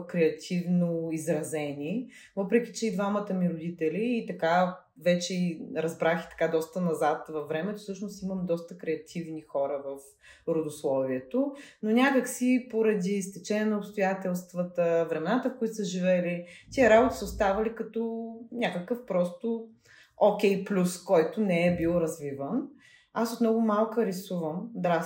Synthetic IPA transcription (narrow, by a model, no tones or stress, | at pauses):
kɾɛɐt̪ʲʰivnoizɾɐzɛnʲi | vɤpɾɛk̟ʲit͡ʃɛid̪vamət̪əmiɾʊd̪it̪ɛliːt̪ɐka | vɛt͡ʃɛiɾɐzbɾaxi̥t̪ɐ̥kad̪ɔst̪ənɐzat̪vɐvːɾɛmɛt̪ofsɤʃnost̪imɐmd̪ɔst̪əkɾɛɐt̪ʲʰivnixɔɾəvɐf | ɾod̪ʊslˠɔviɛt̪ononʲakəksipoɾɐd̪ist̪ɛt͡ʃɛnʲɛnəʊpst̪ʊjat̪ɛlˠst̪vət̪əvɾɛmɛnat̪əfkʊit̪osəʒivɛlit̪ʲiəɾabʊt̪i̥səʊst̪avɐlikɐt̪ɔnʲakəkəfpɾɔst̪ʊ | okʲɛjplʲuskɔjt̪ʊnɛɛbilˠɾɐzvivən | asot̪mnɔɡʊmalˠkəɾɛsuvəmd̪ɾa